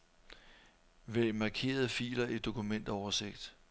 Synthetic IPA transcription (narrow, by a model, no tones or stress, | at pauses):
ʋemɑ̈kʰe̝̰ːɐð̞̩ˠfḭːlɐed̥o̝kʰumen̰d̥ɐɒʊɐse̝ɡ̥d̥